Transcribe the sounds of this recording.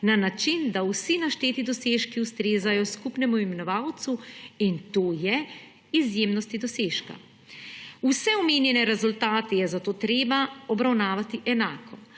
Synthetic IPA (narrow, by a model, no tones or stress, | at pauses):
nanat͡ʃind̪awsinaʃt̪eːt̪id̪ɔseːʃkiust̪ɾeːzajɔskupnɛmuimɛnɔʋawt̪suint̪oːjɛ | izjeːmnɔst̪id̪ɔseːʃka̰ | usɛɔmeːnjɛnɛɾɛzult̪aːt̪ɛjɛzat̪oːt̪ɾeːbaɔbɾawnaːʋat̪iʔɛnaːkʰɔ